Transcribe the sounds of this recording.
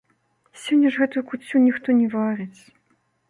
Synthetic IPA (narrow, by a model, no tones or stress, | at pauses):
sʲɔnʲːɐʐɣɛt̪ujukut͡sʲːunʲixt̪ɔnʲɛvaɾɨt͡sʲ